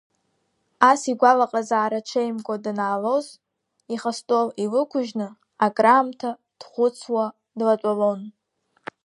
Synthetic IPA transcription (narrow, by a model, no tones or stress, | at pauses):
asiɡʷalaqʼazaːɾaʈ͡ʂʷʰejmɡʷʼadnaːloz | iχastʼolilɨkʷʰʊʒnɨ | akʼraːmtʰa | d̥χʷʊt͡sʰwa | dlat͡ʃʷʼalon